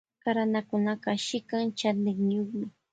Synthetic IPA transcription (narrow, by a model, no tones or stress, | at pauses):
kaɾanakʊnakaʃɪkaŋt͡ʃand̪ɪŋɲoχmɪ